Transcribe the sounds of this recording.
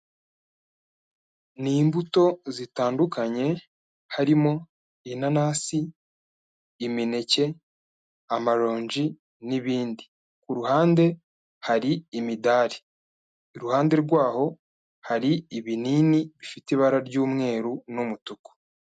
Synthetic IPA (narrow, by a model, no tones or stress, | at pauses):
niːmbuto̞zitaːndukaɲe̞ | haɾimo̞ | inanaːsi | mine̞ce̞ | amaɾo̞ːɲd͡ʒi | niβiːndi | kuɾuhaːnde̞ | haɾiːmidaːɾiː | ɾuhaːnde̞ɾɡwaːho̞ | haɾiiβiniːniβifitiβaɾaɾɟuːmŋe̞ːɾunumutuko̥